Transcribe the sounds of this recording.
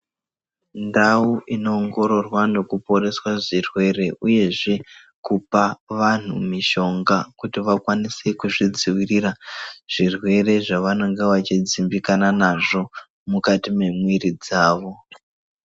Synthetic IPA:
ndauʔino̞ːŋɡo̞ɾo̞rwano̞kupo̞ɾe̞swaʐirwe̞re̞ʔuje̞ʐe̞ | kupaʋan̤umiʃo̞ŋɡakutiʋakwanise̞kuʐid͡ziwiriraʐ̥irwe̞re̞ʐaʋano̞ŋɡe̞ʋat͡ʃid͡zimbikananaʐo̞ | mukatime̞mwirid͡zaːʋo̞

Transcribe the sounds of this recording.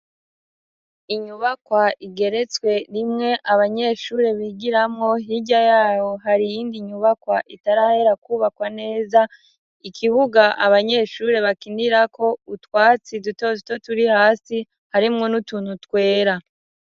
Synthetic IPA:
iɲuβakwaʔiɡe̞ɾe̞t͡swe̞ɾimŋe̞ʔaβaɲe̞ːʃuːɾe̞βiɡiɾamŋo̞ɦiɟajaːβo̞ɦaɾijiːndiɲuβakwaʔitaɾahe̞ɾakuːβakwane̞ːza | ikʰiβuɡaʔaβaɲe̞ːʃuɾe̞βakindiɾako̞utwaːt͡sidutouto̞tuɾihaːsi | haɾimŋo̞nutuːnhutwe̞ːɾa

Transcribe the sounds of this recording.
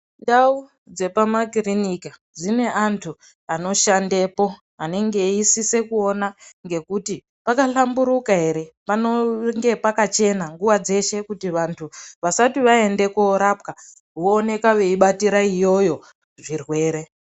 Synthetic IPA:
ndau | d͡ze̞pamakirinika | d͡zine̞antʰu | ano̞ʃande̞po̞ | ane̞ŋɡe̞isise̞kuonaŋɡe̞kuti | pakaɬambuɾukaɦe̞ɾe̞panoŋɡe̞pakat͡ʃe̞naŋɡuʋad͡ze̞ʃe̞kutiʋantʰuʋasatiʋae̞nde̞koɾap̚ka | woːne̞kaʋe̞iɓatiɾaijo̞jo̞ | ʐirwe̞ːɾe̞

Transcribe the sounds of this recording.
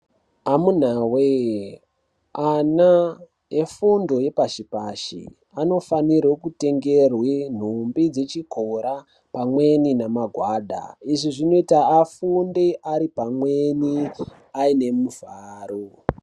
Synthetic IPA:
amun̤awe | ana | efundo̞je̞paʃipaʃḭ | ano̞fanirwekute̞ŋɡerwen̤umbid͡ze̞t͡ʃikʰoɾa | pamwe̞ninamaɡʱwaɗa̰iʐiʐino̞itaːfundeʔaɾipamweni | aine̞muvaːɾo

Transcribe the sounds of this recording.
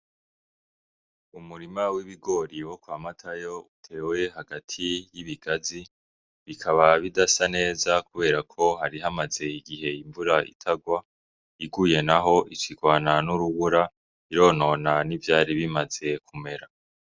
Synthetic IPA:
umuɾimawiβiɡo̞ɾiwo̞kwamatʰajo̞utʰe̞ːwe̞ɦaɡatʰijiβiɡ̥azi | βikʰaβaβidasane̞ːzakuβe̞ːɾakʰo̞ɦaɾiɦamaze̞iɡiɦe̞iɱvuɾaʔḭtʰaɡwa | iɡuje̞naɦo̞ʔit͡ʃiɡwaːnanuɾuβuɾa | iɾo̞ːno̞nanivjaːɾiβimaze̞kʰume̞ɾa

